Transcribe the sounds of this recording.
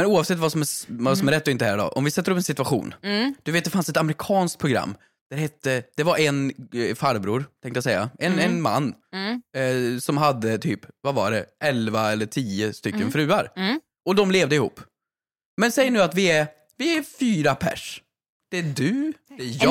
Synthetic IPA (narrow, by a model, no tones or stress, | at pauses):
mɛnuːɑvsɛt̪ːvasɔmɛvasɔmɛɾɛt̪ːɔɪnt̪əɦæːɾɖ̪ɔ̰ʔɔmvɪsɛt̪ːəɾɵpːɛnsɪt̪ʉaɧṵːnd̪̥ɵveːt̪d̪ɛfansɛt̪amɾɪkʰɑːnskt̪̚pʰɾʊɡɾa̰mː | d̪̥æɾhɛt̪ːəd̪̥ɛvaɾʔɛnfaɾbɾuːɾt̪ʰɛ̃ŋkt̪əjasɛjːa̰ʔɛnɛnma̰nː | sɔmɦad̪ːət̪ʰyːpvava̰ɖɛʔɛlvaɛlːəʈʰiːəst̪ʏkːənfɾʉ̟ːaɾ | ʔɔd̪ɔmleːvd̪əɪhṵːpː | mɛnsɛjːəɳʉ̟ːat̪vɪæɾ | vɪæɾfyːɾapʰæ̰ʂ | d̪̥ɛdʉ